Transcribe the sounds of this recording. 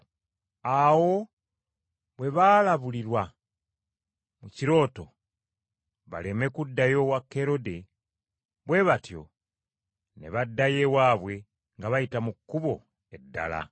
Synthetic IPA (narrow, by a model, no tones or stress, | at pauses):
awo̞ | βwe̞βaːlaβuliɾwa | muciɾo̞ːto̞ | βa̰leme̞kudːajo̞wakːe̞ɾo̞de̞ | βwe̞βatjo̞̰ | neβadːaje̞waːβwe̞ | ŋɡaβajitamukːuβo̞ | e̞dːa̰la̰